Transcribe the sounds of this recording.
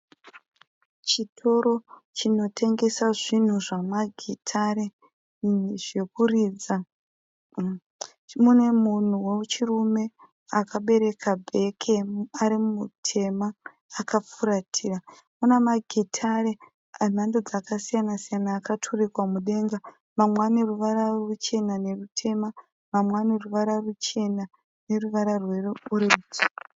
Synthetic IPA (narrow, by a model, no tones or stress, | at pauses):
t͡ʃitʰo̞ɾo̞t͡ʃino̞tʰe̞ŋɡe̞saʐin̤uʐamaɡʱitʰaɾe | ʐe̞kuriːd͡za | mune̞mun̤uwet͡ʃirume̞ | akaɓe̞ɾe̞kʰabʱe̞kʰeaɾimumutʰe̞maː | kap͡fuɾatʰiːra | munamaɡʱetʰare | n̤andod͡zakasijanasijanaːkatʰurikwamuɗe̞ŋɡa | mamwane̞ruʋaɾarut͡ʃe̞nane̞rutʰe̞ma | mamwane̞ruʋaɾarut͡ʃe̞na | ne̞ruʋaɾarwe̞rouɾed͡zi